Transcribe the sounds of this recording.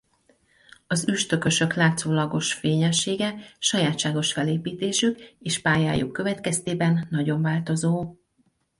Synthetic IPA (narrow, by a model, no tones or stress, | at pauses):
ɒzyʃt̪ø̞kø̞ʃø̞klaːt̪soːlɒɡo̞ʃfeːɲɛʃːeːɡɛʃɒjaːt̪ʃaːɡo̞ʃfɛleːpiːt̪eːʃykeːʃpaːja̰ːjṵkːø̞vɛt̪kɛst̪eːbɛnːɒɟo̞ɱvaːlt̪o̞zoː